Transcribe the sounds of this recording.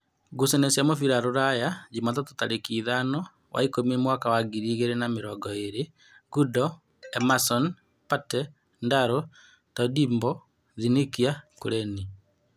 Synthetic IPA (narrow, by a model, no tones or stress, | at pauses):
ɡusɛnesjamofiɾaɾoɾajad͡ʒimatɔto̥taɾekiːðanɔ | wʔa̰ikomiemwakawaɡiɾiɣeɾenameɾɔɡɔeɾe | ɡudɔ | ɛmasɔn | patɛ | ndaɾo | tɔdimbɔ | ðinekiakoɾɛni